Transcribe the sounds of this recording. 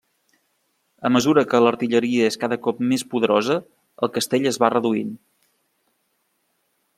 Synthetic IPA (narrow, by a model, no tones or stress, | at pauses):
əməzuɾəkələɾt̪iʎəɾiəeskaðəkɔpmespuðəɾɔzə | əlˠkəst̪eʎəzβarəðuin